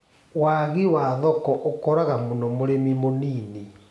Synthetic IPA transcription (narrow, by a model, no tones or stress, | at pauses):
waɣiwaðɔkɔʔokɔɾaɣamonɔmoɾemimoniːni